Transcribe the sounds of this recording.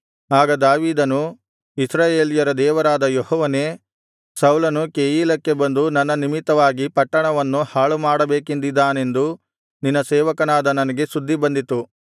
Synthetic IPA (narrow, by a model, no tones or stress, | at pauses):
aːɡɐd̪aːʋiːd̪ɐnu | isɾaːjeːlijɐɾɐd̪ɛːʋɐɾaːd̪ɐjɔhɔːʋɐne̞ː | sɐwlɐnukeːjiːlɐkːe̞bɐnd̪unɐnːɐnimit̪ːɐʋaːɡipɐʈːɐɳɐʋɐnːuhaːɭumaːɽɐbeːkind̪id̪ːaːne̞nd̪u | ninːɐsɛːʋɐkɐnaːd̪ɐnɐnɐɡe̞sud̪ʱːibɐnd̪it̪u